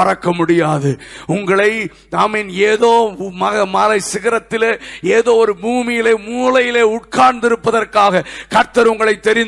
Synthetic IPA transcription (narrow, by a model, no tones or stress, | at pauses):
ɐrɐkːɐmʊɽɪjaːðɯʊŋɡɐɭɐɪ | t̪aːmɪneːðoːmɐɣɐmɐlɐɪsɪɣɐɾɐt̪ːɪleːeːðoːɔɾɯbuːmɪjɪleːmuːlɐjɪleːʊʈ̚kaːɳd̪ɪɾɯpːɐðɐrkaːɣɐkɐɾt̪ɐɾʊŋɡɐɭɐɪt̪ːɛɾɪn